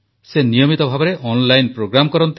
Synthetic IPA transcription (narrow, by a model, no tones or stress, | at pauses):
senijɔmit̪ɔbʱabɔɾeʔɔnlajnpɾoɡɾamɔkɔɾɔnt̪